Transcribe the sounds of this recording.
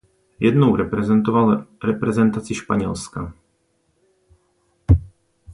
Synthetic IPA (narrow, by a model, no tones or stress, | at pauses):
jɛdnowɾɛpɾɛzɛnt̪ovalɾɛpɾɛzɛnt̪at͡sɪʃpaɲɛlska